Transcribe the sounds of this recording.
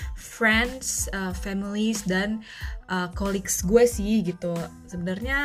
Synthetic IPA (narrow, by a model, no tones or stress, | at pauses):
fɾɛndsəfɛmilisdan | ʔəkoliksɡuasiɡit̪u | səbənarɲa